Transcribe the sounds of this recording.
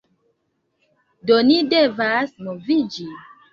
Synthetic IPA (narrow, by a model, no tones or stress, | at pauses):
donidevasnovid͡ʒi